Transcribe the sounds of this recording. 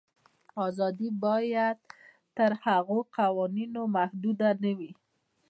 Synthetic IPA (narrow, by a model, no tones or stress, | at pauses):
ɑzɑd̪ibɑjad̪̚ | t̪əɾhaɣoqawɑninomahd̪ud̪anawi